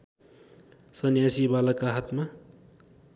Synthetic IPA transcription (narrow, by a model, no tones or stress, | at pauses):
sʌnjasibalakaɦat̪ma